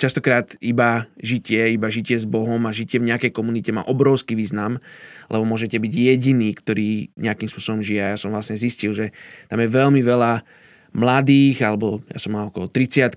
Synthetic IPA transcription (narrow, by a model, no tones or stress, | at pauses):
t͡ʃast̪ɔkɾaːt̪ibaʒicɪɛibaʒicɪɛzbɔɦɔmaʒicɪɛvɲɛakɛjkɔmunicɛma̰ːʔɔbɾɔʊskiːʋiːznamlʔɛ̰bɔmʊɔʒɛcɛbiɟjɛɟiniːkt̪ɔɾiːɲɛakimspʊɔsɔbɔmʒiɛajasɔmʋlasɲɛziscilʒɛt̪amjɛʋɛlmiʋɛla | mlad̪iːɣalɛbɔja̰sɔmːaːɔkɔlɔt̪ɾit͡sɪat̪